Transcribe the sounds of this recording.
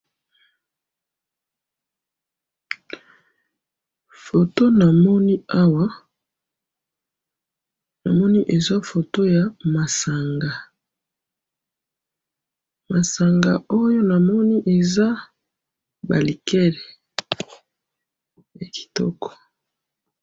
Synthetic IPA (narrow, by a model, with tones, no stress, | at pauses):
fo˨to˦na˨mɔ˦ni˦a˦wa˦ | na˨mɔ˦ni˦ʔe˨za˦fo˨to˦ja˨ma˨sa˨ŋɡa˨ | ma˨sa˨ŋɡa˨o˦jo˦na˨mɔ˦ni˦ʔe˨za˦ | ba̰˨li˨kɛ˦lɛ˨ | ja˨kʰi̥˨tɔ̰˦kɔ̥˨